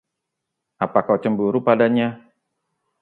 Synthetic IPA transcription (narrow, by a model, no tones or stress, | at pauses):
apakawt͡ʃəmbuɾupadaɲa